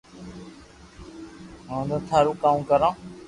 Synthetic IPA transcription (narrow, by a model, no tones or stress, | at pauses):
ɦãːd̪ət̪ʰaːɾuːkaːũkəɾãː